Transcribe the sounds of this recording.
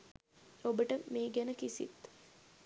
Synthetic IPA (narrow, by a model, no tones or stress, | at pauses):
obəʈəmeːɡɛnəkisḭt̪